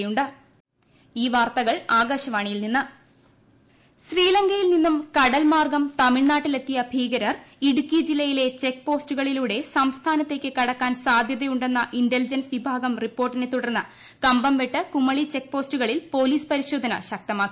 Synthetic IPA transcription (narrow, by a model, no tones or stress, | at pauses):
juɳɖɨ | iːʋaːrt̪ɐɣɐɭaːɡɐːɕɐmaːɳijilninːɨ | ɕriːlɐŋɡɐjilninːumkɐɽɐlmaːrɡɐmt̪ɐmiɭnaːʈːile̞t̪ːijɐbʱiːɡɐɾɐriɽukʲːid͡ʑilːɐjile̞t͡ɕe̞k̚ːpo̞ːstuɣɐɭiluːɽe̞sɐmst̪ʰaːnɐt̪ːe̞kʲːɨkɐɽɐkːaːnsaːd̪ʱjɐðɐjuɳɖe̞nːɐʔindelid͡ʑɐnsʋibʱaːɡɐmripːo̞ːrʈːine̞t̪ːuɽɐrnːɐ | kɐmbɐmʋeʈːɨkumːɐɭit͡ɕe̞k̚po̞ːstuɣɐɭilpo̞ːliːspɐɾiɕo̞ːd̪ʱɐnɐ̰ɕɐk̚t̪ɐmaːkː